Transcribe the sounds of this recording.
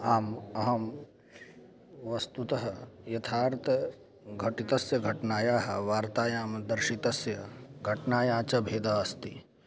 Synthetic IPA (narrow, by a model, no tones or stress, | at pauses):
aːmɐɦɐm | ʋɐst̪ut̪ɐɦɐjɐt̪ʰaːɾt̪ʰɐ | ɡʱɐʈit̪ɐsjɐɡʱɐʈnaːjaːɦɐ̰ʋaːɾt̪aːjaːmd̪ɐɾʃit̪ɐsjɐɡʱɐʈnaːjaːt͡ʃɐbʱeːd̪aːɐst̪i